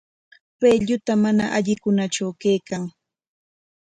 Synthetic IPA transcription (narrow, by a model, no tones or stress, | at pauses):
peʎʊt̪amana̰ʔaʎɪkʊnat͡ʃawkejkaŋ